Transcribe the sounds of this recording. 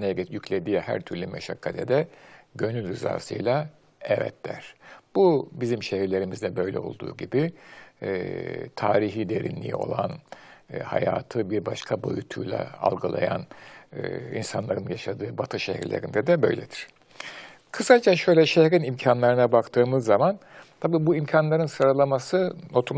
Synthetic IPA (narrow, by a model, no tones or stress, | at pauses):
nɛjycʰlʲed̪ijhæ̰ɾt̪ʰyɾlʲymɛʃakʰːat̪ʰɛd̪ɛɟø̞nylʲɾiza̰ːsɯ̰jlˠa | ɛvɛ̰t̪d̪æ̰ɾ̥b̥ubizimʃehiɾlʲe̞ɾimizd̪ɛbø̞jlʲɛ̰o̞̰lˠd̪ṵːɟibi | t̪ʰaːɾiɦiːd̪e̞ɾḭnlʲḭj̰o̞lˠan | ha̰jaːt̪ʰɯbiɾbaʃkʰabo̞̰jut̪ʰujlˠa̰a̰lˠɡalˠa̰jan | ḭnsanlˠaɾɯnjaʃad̪ɯːbat̪ʰɯʃehḭɾlʲḛɾind̪ɛd̪ɛbø̞̰jlʲɛd̪iɾ̥ | kʰɯsad͡ʒaʃø̞jlʲɛʃehɾinimcʰanlˠaɾɯnabakt̪ʰɯːmɯzːamant̪ʰabiːbuimcʰanlˠaɾɯnsɯɾalˠamasɯno̞t̪ʰu